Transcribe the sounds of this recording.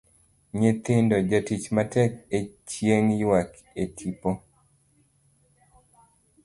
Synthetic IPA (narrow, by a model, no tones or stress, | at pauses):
ɲɪt̪ɪndɔd͡ʒatit͡ʃmatɛket͡ʃjeŋjwak | etʰipo